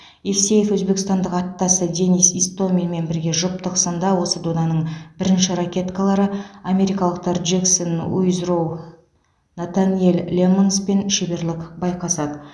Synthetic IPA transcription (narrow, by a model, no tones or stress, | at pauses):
efse̞jefwɵzbekʲɪst̪ɑnd̪əqɑt̪ːɑsəd̪e̞nijsist̪o̞milme̞nbɪɾɡʲe̞ʒʊpt̪əqsənd̪ɑwo̞səd̪onɑnəɴbɪɾɪnʃɪɾakʲe̞t̪kalˠɑɾəame̞ɾijkɑlˠəq̚t̪ʰɑɾʒeksonṵjzɾow | nat̪aniellʲemonspe̞nʃebe̞ɾlɪkbɑjqɑsɑd̪ə